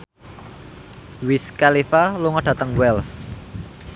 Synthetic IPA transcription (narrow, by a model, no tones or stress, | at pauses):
wiskalifaluŋɔɖ̥ä̤t̪əŋwɛls